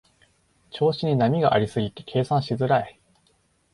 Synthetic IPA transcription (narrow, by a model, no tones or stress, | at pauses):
t͡ɕo̞ːɕiɲ̟inamʲiɡaʔaɾʲisɨɡʲit̪e̞̥kʰe̞ːsãɰ̃ɕizɨɾae